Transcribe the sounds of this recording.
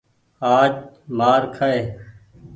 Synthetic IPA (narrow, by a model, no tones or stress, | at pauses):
aːd͡ʒmaːɾkʰəeː